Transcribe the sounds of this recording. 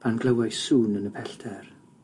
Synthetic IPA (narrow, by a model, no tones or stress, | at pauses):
pʰanɡlˠəwasuːnənəpʰɛɬtʰɛr